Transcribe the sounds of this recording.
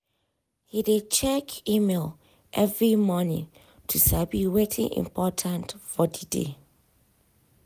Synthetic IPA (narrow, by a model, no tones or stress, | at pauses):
hidet͡ʃʰɛkʰimelˠ | ʔɛvɹimɔnɪ̰̃ŋ | tʰusabiwetʰḭ̃ŋʔḭ̃mpʰɔtʰãntfɔdidḛ